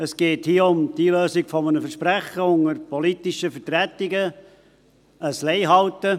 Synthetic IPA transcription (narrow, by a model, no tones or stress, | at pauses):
əsɡ̥eːthiːəʊmd̥iløːsɪɡfɔmənəfəʃpɾæχəʊŋəɾpɔlit̪ɪʃəfətɾætɪɡə | əsleɪɦɑltə